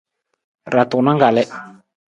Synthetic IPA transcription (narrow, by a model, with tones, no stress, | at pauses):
ra˨t̪ʊ˨na˦ŋɡa˨lɛ˦